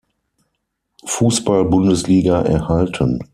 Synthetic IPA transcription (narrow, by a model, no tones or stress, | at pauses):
fuːsb̥albʊndəsliːɡaʔɛ̰ɐhaltʰən